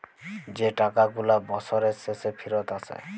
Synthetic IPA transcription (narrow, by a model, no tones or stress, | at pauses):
d͡ʒeʈakaɡulabɔsɔɾesesepʰiɾɔt̪asḛ